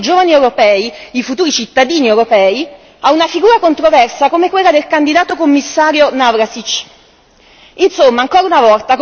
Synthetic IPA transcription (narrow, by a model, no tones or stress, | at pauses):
d͡ʒoːvaniewɾopɛːiifut̪uːɾit͡ʃit̪ːad̪iːniewɾopɛːi | aunafiɡuːɾakont̪ɾovɛrsakomekwelːad̪elkand̪id̪aːt̪okomːisːaːɾjonavɾasit͡ʃː | insomːaːŋkoːɾaunavɔlt̪ak